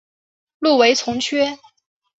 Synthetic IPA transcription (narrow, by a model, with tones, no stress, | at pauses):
lu˥˩we˧˥ɪt͡sʰʊ˧˥ŋt͡ɕʰɥɛ˥